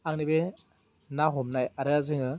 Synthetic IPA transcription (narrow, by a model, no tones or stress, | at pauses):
aŋnibe | naɦɔmnajaɾejazɯŋɯ